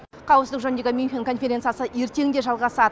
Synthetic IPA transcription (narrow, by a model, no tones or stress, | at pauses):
qʰɑwəpsd̪ɪkʒɵnd̪e̞ɡʲɪmʲunxʲiŋkʰo̞nfʲe̞ɾʲe̞nt̪sɨjasəe̞ɾt̪e̞ŋnd̪e̞ʒɑlˠʁɑsɑd̪ə